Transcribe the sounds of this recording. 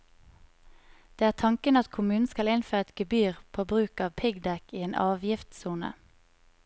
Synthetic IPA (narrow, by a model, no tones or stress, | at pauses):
d̪̥eːæːʁt̪ʰɑŋkənɑt̪kʰʊmʉːn̩skɑlɪnføːʁɛt̪ɡ̥əbyːʁpʰoːbʁʉːkɑːʋpʰɪɡd̪ɛkiːeːnʔɑːʋjɪft̪suːnə̰